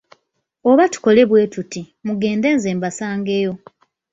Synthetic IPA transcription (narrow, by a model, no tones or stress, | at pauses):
o̞βatu̥ko̞le̞βwe̞ːtuti | muɡe̞ːnde̞ːnze̞ːmbasaːŋɡe̞jo̞